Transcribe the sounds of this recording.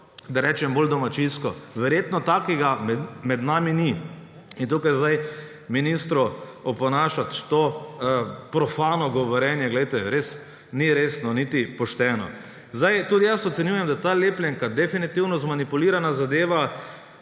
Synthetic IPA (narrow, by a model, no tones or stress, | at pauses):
d̪aɾɛt͡ʃɛmbold̪ɔmat͡ʃinskɔʋɛɾjet̪nɔt̪akiɡamɛmɛd̪naːmini | int̪ukajzd̪aj | minist̪ɾɔɔpɔnaːʃat̪t̪o | pɾɔfaːnɔɡɔʋɔɾjɛnjɛɡlɛjt̪ɛɾes | niɾeːsnɔnit̪ipɔʃt̪ɛːnɔ̰ | zd̪ajt̪ud̪ijasɔt̪sɛnjujɛmd̪at̪aleːplʲɛŋkad̪ɛfinit̪iwnɔzmanipuliːɾanazad̪eːʋa